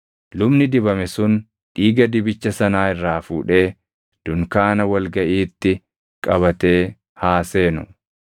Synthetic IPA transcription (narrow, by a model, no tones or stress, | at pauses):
lʊbnɪd̪ɪbɐmɛsʊn | ᶑiːɡɐd̪ɪbɪt͡ʃːɐsɐnaːɪrːaːfuːᶑe̞ː | d̪̥ʊŋkaːnɐwɐlɡɐʔiːt̪ːɪ | kʼɐβɐt̪e̞ː | haːse̞ːnʊ̰